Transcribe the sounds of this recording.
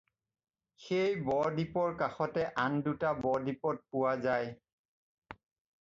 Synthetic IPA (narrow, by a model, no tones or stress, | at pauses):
xejbɔɹdipɔɹkaxɔtɛʔandutabɔɹdipɔt̚pʊwazaj